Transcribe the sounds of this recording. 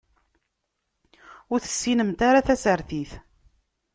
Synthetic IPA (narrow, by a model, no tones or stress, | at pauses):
ʊɾθə̥sːinəmt̪aɾaθæsəɾθiθ